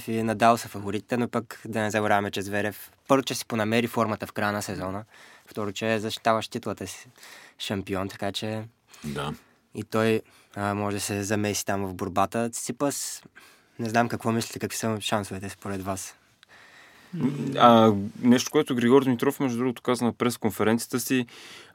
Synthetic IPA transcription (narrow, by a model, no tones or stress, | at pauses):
finɐd̪alˠsəfɐvoɾit̪it̪ɛnopəkd̪ɐnɛzɐɡoɾavɐmɛt͡ʃɛzvɛɾɛfpɤɾvot͡ʃɛsi̥ponɐmɛɾifɔɾmət̪əfkɾajənəsɛzɔnəft̪ɔɾot͡ʃɛzɐʃt̪i̥t̪avəʃt̪it̪lˠət̪əsi̥ʃɐmpiɔnt̪ɐ̥kat͡ʃɛ | d̪a | it̪ɔj | mɔʒɛd̪ɐsɛzɐmɛsi̥t̪amvɐvboɾbat̪əsipəs | nɛznamkɐkvɔmislʲit̪ɛkɐkvi̥səʃansovɛt̪ɛspoɾɛd̪vas | anɛʃt̪o̥koɛt̪ʊɡɾiɡɔɾd̪mit̪ɾɔfmɛʒd̪ud̪ɾuɡot̪o̥kazvənɐpɾɛskonfɛɾɛnt̪iət̪əsi